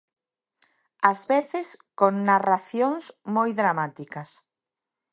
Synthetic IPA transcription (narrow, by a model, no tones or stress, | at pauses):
azβeθɪskoŋnaraθjoŋsmojðɾamat̪ikɐs